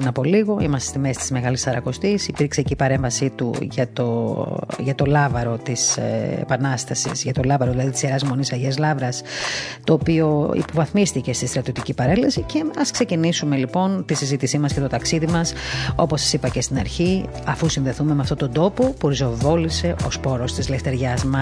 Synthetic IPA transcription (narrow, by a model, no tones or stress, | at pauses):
nɐpo̞liɣo̞imɐst̪est̪imest̪izme̞ɣɐlisɐɾɐko̞st̪isipiɾkseceipɐɾe̞ɱvɐsit̪ṵʝɐt̪oʝɐt̪o̞lɐvɐɾo̞t̪isḛpɐnɐst̪ɐsḭsʝɐt̪o̞lɐvɐɾoðilɐðit̪iseɾɐzmo̞nisɐʝezlɐvɾɐst̪o̞ːpio̞ḭpo̞vɐθmist̪ice̞st̪ist̪ɾɐt̪iot̪icipɐɾe̞lesice̞ɐskse̞cinisume̞lipo̞nt̪isizit̪isimɐsce̞t̪o̞t̪ɐksiðimɐso̞po̞sːɐ̥sipɐce̞st̪inɐɾçi | ɐfusinðe̞θume̞meɐft̪o̞t̪o̞nd̪o̞po̞puɾizo̞vo̞lise̞ʔo̞̰spo̞ɾo̞st̪izle̞ft̪e̞ɾʝɐzmɐ